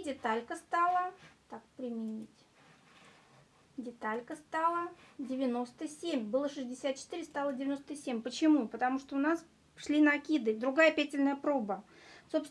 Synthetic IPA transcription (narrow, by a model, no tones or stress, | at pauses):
dʲɪt̪alʲkəst̪alˠət̪akpɾʲɪmʲɪnʲitʲ | dʲɪt̪alʲkəst̪alˠədʲɪvʲɪno̞st̪əsʲemʲbɨlˠəʂɨzʲdʲɪsʲat̪̚t͡ɕɪ̥t̪ɨɾʲɪst̪alˠədʲɪvʲɪno̞st̪əsʲemʲpət͡ɕɪmupət̪ɐmuʂt̪oʊnas | ʂlʲinɐkʲid̪ɨd̪ɾʊɡajəpʲætʲɪlʲnəjəpɾo̞bə | so̞ps